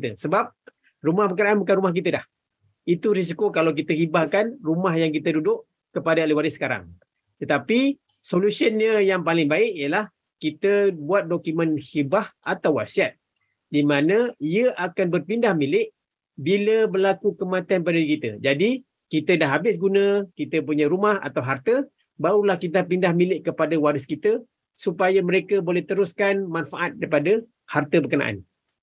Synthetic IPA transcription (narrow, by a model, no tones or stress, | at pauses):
t̪əsəbap̚ | rumahpəkəɾaanbukanɾumahk̬it̪ədah | it̪uɾis̬ikokalawk̬it̪əhibahkanrumahjaŋk̬it̪ədudʊʔ | kəpadaliwaɾisə̥kaɾa̰ŋ | t̪ət̪api | solusiənɲəjaŋpalɪŋbaɪʔijəlah | kit̪əbuat̪̚dokumə̃nhibahat̪awasiat̪̚ | dimanə̃iəʔakanbərpindahmilɪʔ | biləbərlakukəmãt̪ianp̬adaikit̪əd͡ʒadi | kit̪ədahɦabɪsɡunə̃kit̪əp̬uɲãɾumaha̰t̪awɦart̪ə | baulahkit̪̬apindahmilɪʔkəpadawadəskit̪ə | supajaməɾekəbolɛht̪əɾʊskanmãnfaʔat̪̚daipadə | hart̪əbəkəna̰ʔa̰n